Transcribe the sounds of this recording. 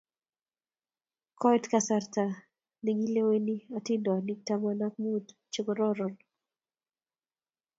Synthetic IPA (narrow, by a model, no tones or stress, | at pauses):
kɔjtkasarta | niŋileweniatindɔanik̚tamanak̚mud | t͡ʃiɡɔɾɔɾɔn